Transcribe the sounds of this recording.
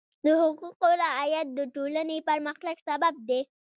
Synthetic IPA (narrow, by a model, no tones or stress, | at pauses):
d̪əhʊquqoɾaajat̪̚d̪əʈolanepəɾməxt̪aɡsabab̚d̪e